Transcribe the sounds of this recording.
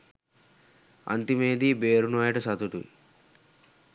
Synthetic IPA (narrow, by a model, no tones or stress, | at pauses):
ɐ̰nt̪imeːd̪ibeːɾunuajʈɐsɐt̪uʈṵ